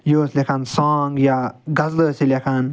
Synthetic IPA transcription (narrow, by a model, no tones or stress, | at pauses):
joːslʲekʰansaːŋɡjaɡɐzləsilʲekʰan